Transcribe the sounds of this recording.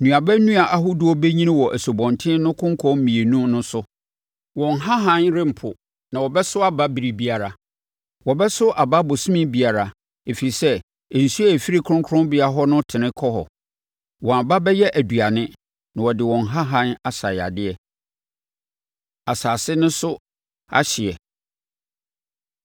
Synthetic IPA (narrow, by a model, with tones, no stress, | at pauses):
nũ˨a˨bæ˦nũ˦a˨ʔa˦ɦʊ˦dʊ˨˦ɔ˦bɛ˦ɲĩ˦nɪ̃˦wɔ˨ʔæ˨so˨bɔ̃˨ntʰɪ̃˦nʊ̃˦kʰʊ̃˦ŋ˦kʰɔ̃˦m̩˦mĩ˨e˨nũ˦nʊ̃˦sʊ˦ | wɔ̃˨nɦa˦ɦã˦nɾɪ˦m̩˨pʰʊ˨ | nã˨wɔ˨bɛ˦sʊ˦a˦ba˦bi˨ɾi˨bi˦a˨ɾa˨ | wɔ˨bɛ˦sʊ˦ʔa˨ba˦bɔ˨sũ˦mɪ̃˦bi˨a˨ɾa˨ | e˨fi˨i˨sɛ˦ | ɛ˨n̩˨su˦a˦æ˨fi˦ɾi˦kʰɾʊ̃˦ŋkʰʊ˦ɾʊ̃˦bɪ˨˦a˨ɦɔ˦nʊ̃˦tʰɪ̃˨nɪ̃˦kʰɔ˦ɦɔ̰˨ | wɔ̃˨a˨ba˦bɛ˦jɛ˦ʔæ˨du˨a˨nɪ̃˦ | nã˨wɔ˨dɪ˨wɔ̃˨nɦa˦ɦã˦na˨sa˨ja̰˨dɪ˦ɛ˨ | a˨saː˨sɪ˦nʊ̃˦sʊ˦ | a̰˦ɕɪ˨ɛ˨